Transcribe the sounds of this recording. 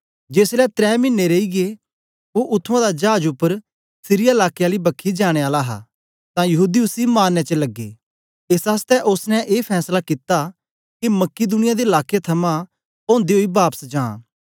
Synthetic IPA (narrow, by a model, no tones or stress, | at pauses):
d͡ʒeːslɛt̪ɾɛːmɪ̃nːeɾeiɡe | oʔʊt̪ʰːãd̪ad͡ʒaːd͡ʒʊpːəɾ | sɪɾijaɪlaːkejaːlibɐkʰid͡ʒaːɽ̃eaːlaɦa̰ | t̪ãjɐɦuːd̪iʊsimaːnːet͡ʃəlɐɡːḛː | ɪsaːst̪ɛʔʊsnɛʔeːpʰɛːslakɪt̪a | kimɐkːid̪ʊnɪjad̪eɐlaːket̪ʰɐmã | pɔ̃ːnd̪eɦoibaːpə̥sd͡ʒãː